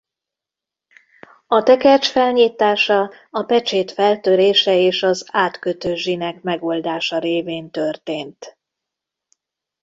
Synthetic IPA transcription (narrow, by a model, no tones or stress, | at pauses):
ɒt̪ɛkɛrt͡ʃfɛlɲiːt̪aːʃɒ | ɒpɛt͡ʃeːt̪fɛlt̪øɾeːʃɛeːʃɒzaːt̪køt̪øʒʒinɛkmɛɡo̞ld̪aːʃɒɾeːveːnt̪ø̞rt̪eːnt̪